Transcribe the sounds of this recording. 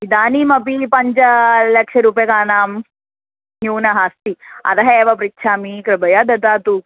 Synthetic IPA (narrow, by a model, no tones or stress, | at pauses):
id̪aːniːmɐpipɐɲt͡ʃɐlɐkʂɐɾuːpɐjɐkaːnaːm | ɦuːnɐɦaːst̪iɐ̰t̪ɐɦɐeːʋɐpɾitːʃʰaːmikɾɐbɐjad̪ɐt̪aːt̪u